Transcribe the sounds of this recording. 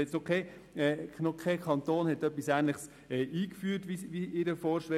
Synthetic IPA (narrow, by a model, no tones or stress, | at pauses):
ɛt͡snokʰɛ | ɛnokʰakʰɑnt̪oːnhɛtœpːisæːnlɪχs | ɛːʔiːkfyːɾtʋiʋiɪdəfɔːɾʃʋɛ